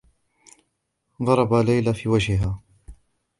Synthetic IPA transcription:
ɣɑɾˤɑbalajlafiːwad͡ʒhɪɦaː

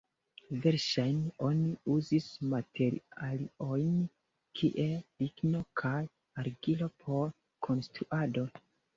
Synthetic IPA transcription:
ve̞ɾʃajno̞niuzismatʰe̞ɾḭalio̞jn | kʰiʔe̞pikno̞kʰaj | aɾɡilo̞pʰo̞ɾ | kʰo̞nstɾuʔado̞

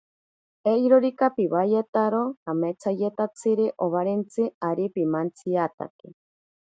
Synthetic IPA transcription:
ejɾoɾikapiβajet̪aɾokamet͡sajet̪at͡siɾiʔoβaɾent͡sɨaɾipimant͡siat̪a̰ke

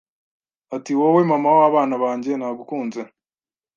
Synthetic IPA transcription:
atiwowemamaoaβaːnaβaːɲɟe̞naːɡukuːnze

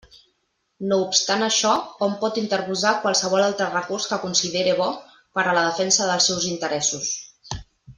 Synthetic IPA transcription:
noupst̪anəʃɔɔmpɔt̪int̪əɾβuzakwalˠsəβ̞ɔlalˠt̪ɾərəkurskəkunsiðeɾeβ̞ɔ | pəɾələðəfɛnsəðəlˠsɛwzint̪əɾɛsus

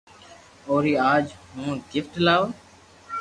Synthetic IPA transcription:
oːɾiːaːd͡ʒhũːɡɪfʈlaːoː

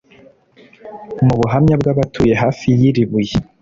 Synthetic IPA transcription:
muβuɦamɲabɡaːβatʰuje̞ɦaːfijiɾiβuje

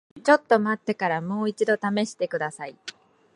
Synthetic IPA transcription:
t͡ɕo̞t̪ːo̞mat̪ːe̞kaɾamo̞ːit͡ɕid̪o̞t̪ame̞ɕi̥t̪e̞kɯ̟d̪asai

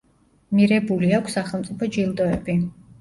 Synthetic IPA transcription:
miɾɛbuliakʰʷsːaχɛlˠmt̪sʼipʰɔd͡ʒilˠd̪ɔɛbi

